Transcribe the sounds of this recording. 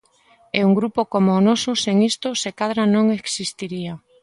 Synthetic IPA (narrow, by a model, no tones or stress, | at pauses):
euŋɡɾupokomoːnɔsʊseŋist̪ʊsekaðɾanõŋeksist̪iɾia